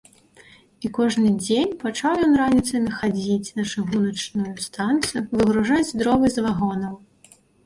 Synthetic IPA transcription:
ikɔʐnɨd͡zʲenʲpat͡ʂawjɔnranʲit̪sɐnʲɐxad͡zʲit͡sʲnɐʂɨɣunɐt͡ʂnujust̪ant̪sɨjuvɨɣɾuʐad͡zʲzd̪ɾɔvɨzvaɣɔnɐm

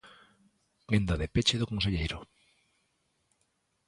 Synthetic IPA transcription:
ɡend̪aðepet͡ʃeðokons̬eʎejɾo

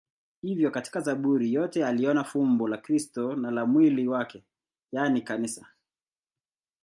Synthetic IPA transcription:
hivjɔkati̥kazaɓuɾijɔtɛaliɔnafumbɔlakɾistɔnalamwiliwakɛ | janikanisa

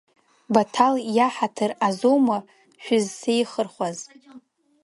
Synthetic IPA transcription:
batʰaljaħatʰɨrazowma | ʃᶣʊzsejχərχʷaz

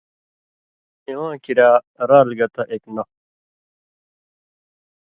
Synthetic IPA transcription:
iwãːkiɾaː | ɾaːlɡɐt̪aʔeknɐ

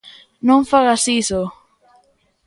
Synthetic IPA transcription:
nõŋfaɣasiso

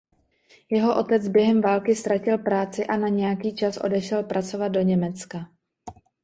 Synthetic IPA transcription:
jɛɦo̞ʔo̞t̪ɛt͡sbjɛɦɛmvaːlkɪst̪ɾacɪlpɾaːt͡sɪʔanaɲɛjakiːt͡ʃasʔo̞̰dɛʃɛlpɾʔat͡so̞vat̪̚do̞ɲɛmɛt͡ska

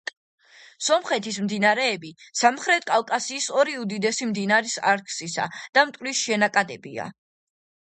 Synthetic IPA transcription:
sɔmχɛt̪ʰismd̪inaɾɛːbisamχɾɛt̪ʰkʼalˠkʼasiːsɔɾiud̪id̪ɛsimd̪inaɾisa̰ɾkʰsisa̰d̪̥amt̪ʼkʼlisʃɛnakʼad̪ɛbḭa̰

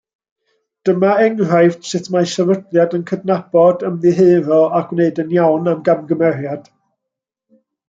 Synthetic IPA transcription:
d̥əmaɛŋr̥ajftsɨtʰmasɛvədlˠjadənkʰədnab̥ɔdəmðɨɦeːɾɔaɡ̥wneɨdənjawnamɡamɡəmɛrjad̥

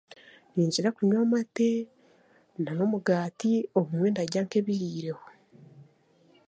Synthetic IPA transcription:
niːɲd͡ʒiɾakumoːmate | nano̞muɡaːtioβumwe̞ndaɟaŋke̞βiɾiːɾeho

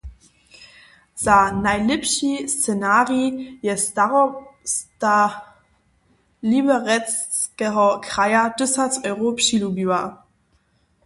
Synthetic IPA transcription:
z̥anaɪlɪpʃist͡senaːʁijɛstaʁsta | libəʁɛt͡skəʁɐkʁ̥aɪɐd̥ʏsat͡sɔʏʁoːpʃilubya

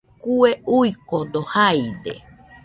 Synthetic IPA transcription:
kueujkond̪ohajd̪ḛ

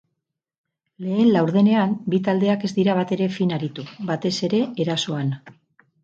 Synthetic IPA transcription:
le̞ːnlawɾðe̞ne̞ambit̪ald̪e̞ake̞zd̪iɾaβ̞at̪e̞ɾe̞finaɾit̪uβat̪e̞se̞ɾe̞eɾaso̞an

